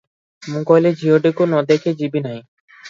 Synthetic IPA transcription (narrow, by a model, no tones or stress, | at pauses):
mũkɔjled͡ʑʱioɖekonɔd̪eked͡ʑibinaj